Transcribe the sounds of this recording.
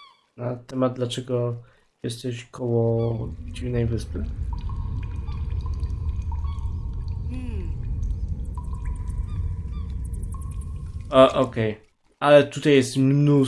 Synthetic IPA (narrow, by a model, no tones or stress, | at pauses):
nat̪ɛmad̪̚d̪lat͡ʂɛɡɔ | jɛst̪ɛɕkʰɔwɔd͡ʑivnɛjvɘspɘ | aʔɔkɛj | ʔalɛt̪ut̪ajɛst̪mnu